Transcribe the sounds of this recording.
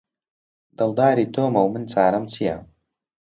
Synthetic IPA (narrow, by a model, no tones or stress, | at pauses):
d̪̥ɐlˠd̪aːɾiːt̪ʰoːmɐwmɨnt͡saːɾɐmt͡sʰija